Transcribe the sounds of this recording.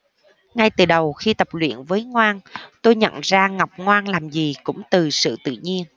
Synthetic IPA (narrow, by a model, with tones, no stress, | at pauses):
ŋa˧jt̪ɨ˨˩ɗə˨˩wxi˧t̪ə˨˩p̚lwḭ˧˨ənvəː˨˦jŋwaː˧nt̪o˧jɲə̰˧˨nzaː˧ŋa˨˩wk͡p̚ŋwaː˧nlaː˨˩mzi˨˩kʊ̰˧˥ŋ͡mt̪ɨ˨˩sɨ̰˧˨t̪ɨ̰˧˨ɲi˧ən